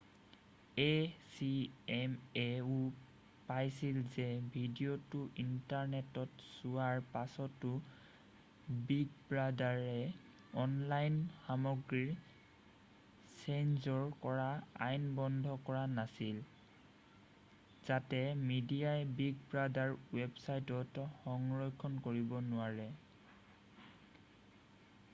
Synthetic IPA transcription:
esiɛmeu | pajsilzɛbʱidiotʊʔintaɹnɛtɔtsuwaɹpasɔtːʊ | biɡbɹadaɹɛ | ɔnlajnxamɔɡɹiɹ | senzɔɹkɔɹaa̰jnbɔndʱɔkɔɹanasil | z̥atɛmidiajbiɡbɹadaɹwɛbsajtɔtxɔŋɹɔjkʰɔnkoɹibɔnʊaɹɛ

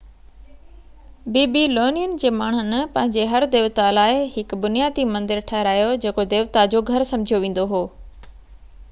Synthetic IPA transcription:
biːbiloːnijənd͡ʑeːmaːɳ̤ʊn̆pɐ̃ɦɪ̃ɲd͡ʑeɦɐɾd̪eːʋt̪alaːɪɦɪkbʊnijaːd̪imɐ̃nd̪ɪɾʈʰɛɦɪɾaːjod͡ʑeːkod̪eːʋt̪ad͡ʑoːɡʱɐɾsɐ̃md͡ʑʱijoʋẽːn̆d̪oɦoː

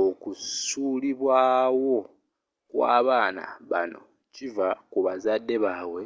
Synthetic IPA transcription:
okusuliβwaːwo̞ | kwa̰ːβaːna̰βano̞̰ | civakuβazadːe̞βawe̞

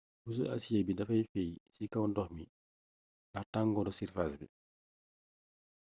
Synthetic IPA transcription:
bus̬ṵʔa̰sijabidɐfajfejsikawndɔhmi | dataŋɡɔdɔsiɾfasbḭ

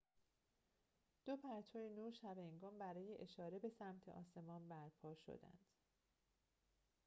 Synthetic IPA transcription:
d̪̥opʰæɾt̪ʰɒːjenuːɾʃæbeeŋɡɒːmbæɾɒːjeʔeʃɒːɾe̞be̞sæmt̪ʰeʔɒːse̞mɒːnbæɾpʰɒːʃo̞̰d̪æ̰nd̪̥

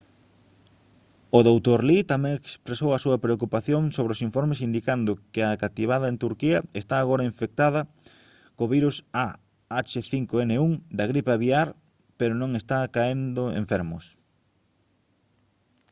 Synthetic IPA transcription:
oðowt̪oɾlit̪amẽŋekspɾesowɐsuɐpɾeokupaθjoŋsoβɾɪosiɱfɔɾmesind̪ikand̪ʊkɪakat̪iβ̞aðɐent̪uɾkiɐest̪aːɣoɾɐiɱfek̚t̪aðɐ | koβiɾusa | at͡ʃeθiŋkoeneuŋd̪ɐɣɾipaβiaɾ | peɾonõŋest̪akaend̪ʊḛ̃ɱfɛɾmʊs

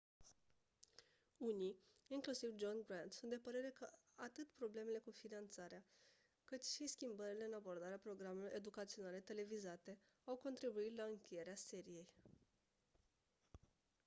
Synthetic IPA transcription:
uniiŋklusivd͡ʒonɡɾand̪sunt̪d̪epəɾe̞ɾe̞kə | at̪ɨt̪pɾo̞ble̞me̞le̞kufinant̪saɾea | kɨt̪ʃiskʲimbəɾile̞ɨnabo̞rd̪aɾeapɾo̞ɡɾameloɾe̞d̪ukat̪sio̞nale̞t̪e̞le̞vizat̪e̞ | awko̞nt̪ɾibuit̪laɨŋkʲe̞je̞ɾease̞ɾije̞j

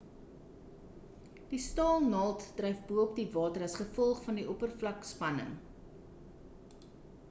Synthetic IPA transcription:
d̥istɑːlˠnɐlˠtd̥rɛjfbuəp̚divɑːtəɾɐsχəfɔlˠχfɐndiʔɔpərflɐkspɐnə̰ŋ

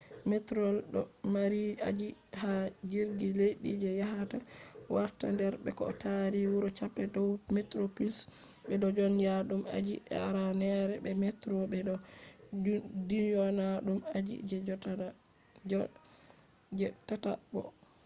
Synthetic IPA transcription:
mɛtɾɔlɗɔmaɾia̰d͡ʒihad͡ʒiɾɡilejɗid͡ʒɛjaɦatawaɾtandɛɾbɛ̰kɔ̰taɾiwuɾɔt͡ʃapːɛdɔwmɛtɾopins | bɛdɔd͡ʒɔnjaɗuma̰d͡ʒḭʔɛ̰a̰ɾanɛɾɛbɛmɛtɾobɛɔ | dinjɔnaɗumad͡ʒḭd͡ʒɛ | d͡ʒɛtata̰bɔ̰

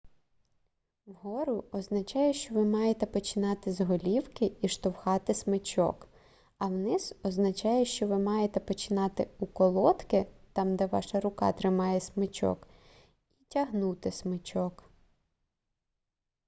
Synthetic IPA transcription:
wɦɔɾʊɔznɐt͡ʃɑjɛʃt͡ʃɔʋɪmɑjet̪ɛpɔt͡ʃɪnɑt̪ɪzɦɔlʲiwkɪiʃt̪ɔwxɑt̪ɪsmɪt͡ʃɔ̰k | ɐwnɪzɔznɐt͡ʃɑjɛʃt͡ʃɔʋɪmɑjet̪ɛpɔt͡ʃɪnɑt̪ɪukɔlˠɔt̪kɪt̪ɑmd̪ɛʋɑ̰ʃɐɾʊkɑ̰t̪ɾɪmɑjɛsmɪt͡ʃɔ̰k | itʲɐɦnut̪ɪsmɪt͡ʃɔk

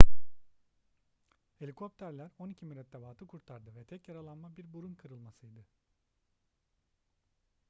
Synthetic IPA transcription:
helʲikʰo̞p̚t̪ʰæɾlʲæɾo̞nicʰimiɾɛt̪d̪avaːt̪ʰɯkʰuɾt̪ʰaɾd̪ɯvɛt̪ʰɛcjaɾalˠanmabiɾbuɾunkʰɯɾɯlˠmasɯjd̪ɯ

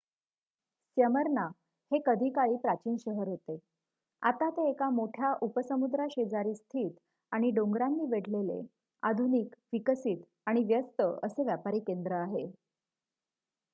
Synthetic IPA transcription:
sjəməɾna | hekəd̪ʱiːkaɭiːpɾat͡ɕiːnɕəɦəɾɦot̪e | a̰t̪at̪eːkamoʈʰjaʔupəsəmud̪ɾaɕed͡zaɾiːst̪ʰiːt̪ | aɽ̃iɖoŋɡɾanːiːʋeɽ̤lelḛ | a̰d̪ʱuniːkʋikəsiːt̪ | aɽ̃iʋjəst̪əʔəseʋjapaɾiːkend̪ɾəaɦe

